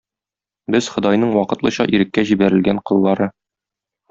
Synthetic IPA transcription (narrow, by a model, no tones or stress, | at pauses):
bɘz̥χɤ̆d̪ɑjnɤɴwɒqɤ̆t̪lˠɤ̆ɕɑ̰ʔiɾɘ̆kːæʑibæɾɘ̆lɡæɴqɤ̆lˠːɑɾɤ